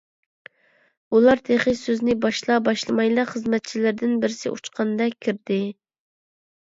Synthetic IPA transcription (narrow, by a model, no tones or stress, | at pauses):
ulˠɑɾt̪ʰeχɨsøznɪbɑʃlˠɑbɑʃlˠɨmɑjlˠɑχəzmɛt̪̚t͡ʃʰilɪɾd̪ɪnbɪɾɪsɪ̰ʔṵt͡ʃqʰɑnd̪ɛkʲʰːiɾd̪ɪ